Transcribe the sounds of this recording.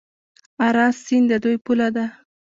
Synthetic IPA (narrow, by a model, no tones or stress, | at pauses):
aɾɑsːind̪əd̪ujpulad̪a